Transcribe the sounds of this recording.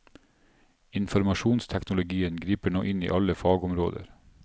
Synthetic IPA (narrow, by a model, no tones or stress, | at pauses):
ɪnfɔɾmɑʃuːnst̪ʰɛknʊlʊɡiːənɡɾiːpəɳoːʔɪnḭːʔɑləfɑːɡʊmɾo̰ːd̪ə̰ɾ